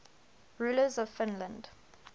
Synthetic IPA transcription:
ɹuːləzɔv̥fɪ̃nlə̃nd̥

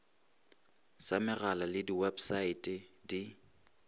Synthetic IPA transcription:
samɪralalɪdiwɛbsaitʼɛdi

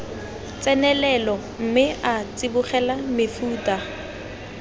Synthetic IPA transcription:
t͡sʼɛnɛlɛlɔ | m̩mɪʔat͡sʼɪbʊχɛlamɪfuːtʼa

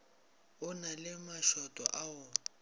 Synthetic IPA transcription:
ʊnalɪmaʃɔtʼɔ̰ʔaʊ

